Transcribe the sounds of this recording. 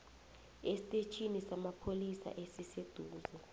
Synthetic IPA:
esi̥tʼet͡ʃʰʼinisamapʰolisa̰ʔesised̥ʱuːzɔ

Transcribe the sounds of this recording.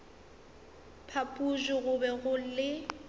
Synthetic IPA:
pʰapʼuʒɪɣʊbɛɣʊlɪ

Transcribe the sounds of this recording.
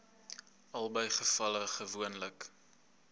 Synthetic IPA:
ɐlˠbəjχəfɐləχəvuənlək

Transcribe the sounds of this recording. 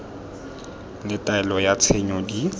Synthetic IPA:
lɪtʼaɛlɔjat͡sʰeɲɔdi

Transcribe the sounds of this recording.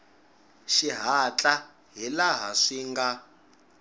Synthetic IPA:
ʃiɦat͡ɬʼa | ɦilaɦaʂiŋɡa

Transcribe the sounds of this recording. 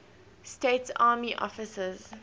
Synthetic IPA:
steːtsaːmiʔɔ̰fɪsəz̥

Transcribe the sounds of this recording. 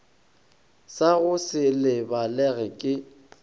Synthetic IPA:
saɣʊsɪlɪbalɛɣɛkʼɪ

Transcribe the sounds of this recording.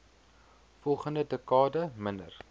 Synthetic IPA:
fɔlˠχəndədəkɑːdəməndə̰r

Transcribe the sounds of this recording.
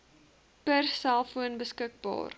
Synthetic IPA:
pərsælˠfuənbəskək̚bɑ̰ːr

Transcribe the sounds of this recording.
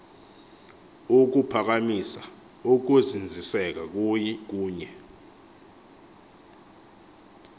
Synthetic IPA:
uk̬upʰak̬amisa | ok̬uzind͡zʱisɛk̬ak̬ujk̬uːɲɛ

